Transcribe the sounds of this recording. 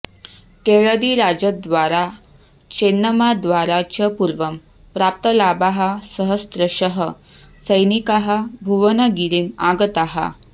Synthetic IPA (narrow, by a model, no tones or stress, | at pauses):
keɭəd̪iɾad͡ʑəd̪ʋaɾa | t͡ɕenːəmad̪ʋaɾat͡ɕəpuɾʋəm | pɾap̚t̪əlabaɦasəɦəst̪ɾəɕəɦə | səjnikaɦabʱuʋənaɡiɾiːmaɡət̪aɦa̰